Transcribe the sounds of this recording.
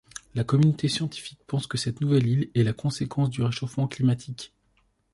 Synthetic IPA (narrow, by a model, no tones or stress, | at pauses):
lakɔmynot̪esjɑ̃t̪i̥fik̚pɑ̃skəsɛt̪nuvɛlilɛlakɔ̃sekʰɑ̃sd̪yʁeʃofmɑ̃klimat̪ʰik